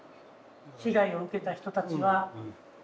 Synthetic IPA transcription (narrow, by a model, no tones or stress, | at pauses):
ɕiɡaio̞ɯ̟ke̞t̪açi̥t̪o̞t̪at͡ɕiβa